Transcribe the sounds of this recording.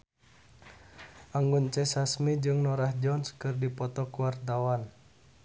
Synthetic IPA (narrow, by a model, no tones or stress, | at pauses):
ʔaŋɡunt͡ʃɛsasmid͡ʒɨŋnɔɾahd͡ʒɔnskɨrdipɔt̪ɔkuwart̪awan